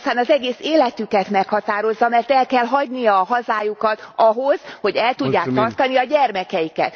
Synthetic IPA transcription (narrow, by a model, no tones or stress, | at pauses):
st̪aːnɒzɛɡeːseːlɛt̪ykɛt̪mɛkhɒt̪aːɾo̞zːɒmɛrt̪ɛlkɛlɦɒɟnijɒːɦɒzaːjukɒt̪ɒɦoz̥ho̞ɟɛlt̪uɟːaːk̚t̪ɒrt̪ɒniɒɟɛrmɛkɛjikɛ̰t̪